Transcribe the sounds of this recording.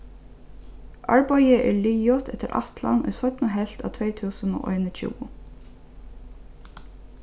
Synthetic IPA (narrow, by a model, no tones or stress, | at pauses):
ʔɑɹbɑɪəʔeːɹɭiːjɔt̪ʰɛt̪əɾʔɑ̰ft̪lɑ̰nɔ̰jsœt̪nəɦɛlt̪ɑːt̪ʰʋeɪt̪ʰʉːsəno̰ːʔɔɪnət͡ʃʰʉ̰ːʊ